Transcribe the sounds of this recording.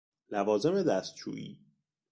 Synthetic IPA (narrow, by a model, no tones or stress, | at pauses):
lævɒːze̞me̞d̪æst̪̚t͡ʃʰṵːʔḭː